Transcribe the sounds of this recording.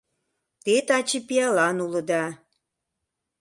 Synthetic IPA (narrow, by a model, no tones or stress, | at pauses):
t̪et̪ɑt͡ɕəpiɑlɑnulə̆d̪ɑ